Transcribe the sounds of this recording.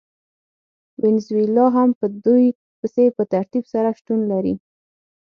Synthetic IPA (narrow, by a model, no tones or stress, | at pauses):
wɪnzwɪlɑɦampəd̪uj | pəsepət̪aɾt̪ibsaɾaʃt̪unlaɾḭ